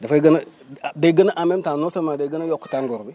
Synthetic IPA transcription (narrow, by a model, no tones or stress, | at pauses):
dafaɡəna | daɡənaʔamemtanosamadaɡənajokːu̥taŋɡoɾbi